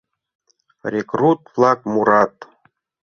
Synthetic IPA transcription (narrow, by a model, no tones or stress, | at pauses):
rʲekrut̪flˠɑkmuɾɑt̪